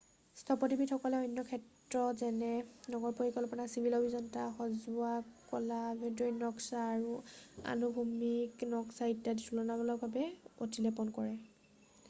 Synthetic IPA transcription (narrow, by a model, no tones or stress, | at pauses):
stʰɔpɔtibithɔkɔlɛɔjnːɔkʰɛt | ɹɔzɛnɛnɔɡɔɹpoɹikɔlɔpɔnasibʱilɔbʱizɔntaxɔzʊakɔlabɔdɔɹinɔksaːɹua̰nubʱumiknɔksaitːaditʰulɔnabɔlɔbʱabɛo̰tilɛpɔnkɔɹɛ